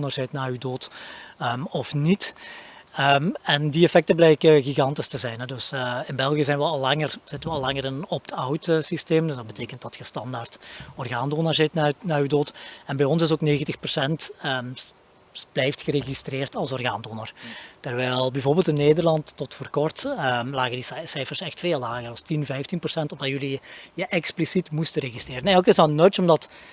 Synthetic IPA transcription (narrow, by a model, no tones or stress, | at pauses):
nərzɛtnaːrydoːtəɔfnit | əmɛndiɛfɛk̚təblɛjkəɣiɣɑntɪstəzɛjnɦɛdɵsɪnbɛlˠɣijəzɛjnʋəɑlˠːɑŋərz̥ɪtənʋəɑlˠːɑŋəɾɪnɔp̚dəawtəsisteːmdɵzdɑd̚bəteːkənt̚d̥ɑtxəstɑndartɔrɣaːndoːnərzɪtnnaːyːdoːtɛnbɛjɔnsɪsoːkneːɣəntəxpərsɛntə | b̥lɛjftxəɾeɣistreːrtɑlˠsɔrɣa̰ːndoːnərtərʋɛjlˠbɛvoːrbɪːlˠtɪnːeːdərlɑntːɔtfoːrkɔrtəlaːɣəndissɛjfərsɛxtfeːlːaːɣərɔstinvɛjftinprɔsɛntɔvdɑtjɵlijəʔɛksplisitmustəɾeɣistreːɾənɛlˠkɪsɑlənːɔt͡ʃɔmdɑt